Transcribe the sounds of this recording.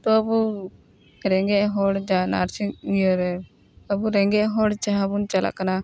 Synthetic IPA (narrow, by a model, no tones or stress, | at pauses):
t̪ɔəbu | ɾɛŋɡɛʔɦɔɽd͡ʒana̰ɾt͡ʃijɔɾɛ | əbuɾɛŋɡɛʔɦɔɽt͡ʃaɦabunt͡ʃala̰ʔkana